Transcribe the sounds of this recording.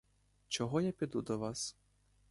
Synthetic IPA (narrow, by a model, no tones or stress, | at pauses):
t͡ʃɔɦɔjapʲid̪ud̪ɔʋas